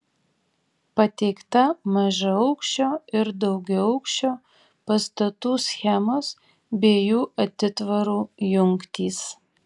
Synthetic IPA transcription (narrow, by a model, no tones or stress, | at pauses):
pɐt̪ʲɛɪkt̪ɐmɐʒɐɐʊkʃʲt͡ʃʲoːɪɾd̪ɒʊɡʲɛɐʊkʃʲt͡ʃʲoː | pɐst̪ɐt̪uːsʲxʲɛmoːs | bʲeːjuːʔɐt̪ʲɪt̪ʋɐɾuːjʊŋkt̪ʲiːs